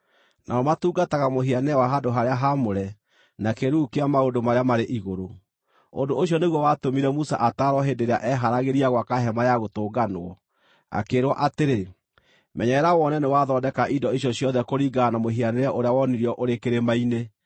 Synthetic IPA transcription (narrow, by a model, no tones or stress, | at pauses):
nʔaɔmatuːɡataɣamoɦianeɛwaɦadoɦaɾeaɦamoɾɛ | nakeɾuːkeamaodomaɾeamaɾeʔiɣoɾo | o̰ndoːɕjɔneɣwɔwatomiɾɛmusa̰ʔataɾwɔɦendeɾeaʔɛɦaɾaɣeɾiaɣwakaɦɛmajaɣotoːɡanwɔ | a̰keɾwɔʔateɾe | mɛɲɛɾawɔnɛnewaðɔdɛkaʔidɔiɕ̬jɔɕjɔðɛkoɾiɡanamoɦianeɾɛʔoɾeawɔniɾiɔʔoɾekeɾemaine